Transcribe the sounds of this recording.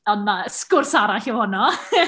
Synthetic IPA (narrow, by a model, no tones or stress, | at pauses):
ɔdmaskʊrsaɾaɬɪwhʊnɔ